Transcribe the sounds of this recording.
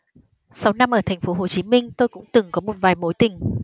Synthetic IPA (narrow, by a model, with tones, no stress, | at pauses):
sa˨˦wna˧mʔəː˧˩t̪ʰɛ˨˩ŋ̟fo˨˦ɦo˧˩t͡ɕi˨˦mï˧ŋ̟t̪o˧jkʊ̰˧˥ŋ͡mt̪ɨ˨˩ŋkɔ˨˦mo˨˩t̚vaː˨˩jmo˨˦jt̪ï˨˩ŋ̟